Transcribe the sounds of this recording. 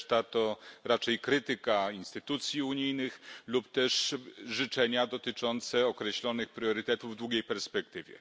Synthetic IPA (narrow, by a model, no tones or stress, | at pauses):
t̪at̪ɔɾat͡ʂɛjkɾɘt̪ɘkainst̪ɘt̪ut̪sʲjiuɲijnɘxlupt̪ɛʂʐɘt͡ʂɛɲad̪ɔt̪ɘt͡ʂɔnt̪sɛɔkɾɛɕlɔnɘxpɾʲjɔɾɘt̪ɛt̪uvːd̪wuɡʲejpɛɾspɛk̚t̪ɘvʲjɛ̰